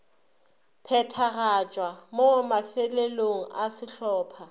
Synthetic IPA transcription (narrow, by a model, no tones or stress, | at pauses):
pʰɛtʰarat͡ʃʼwamomafɛleloŋ̩asɪɬɔːpʰa